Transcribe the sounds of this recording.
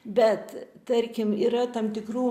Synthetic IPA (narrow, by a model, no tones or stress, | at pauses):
bʲɛt̪t̪ɐɾʲkʲɪmiːɾɐt̪ɐmt̪ʲɪkruː